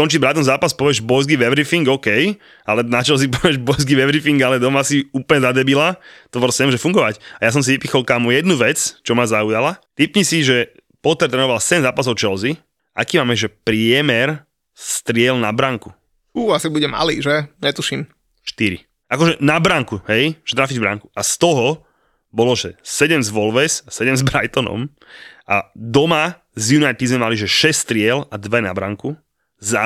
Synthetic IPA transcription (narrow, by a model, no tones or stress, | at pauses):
kɔnt͡ʃiɟbɾaːt̪ɔ̃mzaːpaspɔʋiɛʒbɔjzɡiʋɛʋɾifiŋɡɔkɛj | alɛnat͡ʃɛlzip̬ɔʋɛɛʒbɔjzɡiʋɛʋɾifiŋɡalɛd̪ɔmasiuːplɲɛzad̪ɛbilat̪ɔʋɔɾsɛmʒɛfuŋɡɔʋacajas̬ɔms̬iʋipixɔlkamujɛd̪nuʋɛt͡st͡ʃɔmazaujalat̪ipɲisiʒɛ | pɔt̪ɛɾt̪ɾɛːnɔʋalsɛmzaːpasɔʊt͡ʃɛlzi | a̰kiːmaːmɛʒɛpɾɪɛmɛɾ | st̪ɾɪɛlnabɾaŋku̥ | uːasibuɟɛma̰lḭːʒɛɲɛt̪uʃiːm | ʃt̪iɾḭ | akɔʒɛnabɾaŋkuhɦɛjʒɛt̪ɾaːfiɟvbɾa̰ŋku̥ʔast̪ɔɦɔ | bɔlɔʒɛsɛɟɛmzʋɔlʋɛsasɛɟɛmzbɾajt̪ɔnɔ̰m | ʔad̪ɔma | zjunajt̪id̪zmɛmaliʒɛʃɛsst̪ɾɪɛlad̪ʋɛna̰bɾa̰ŋku | za